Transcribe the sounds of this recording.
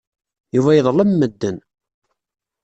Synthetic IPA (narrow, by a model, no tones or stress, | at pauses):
juvæjəðˤlˤəmːəd̪ːən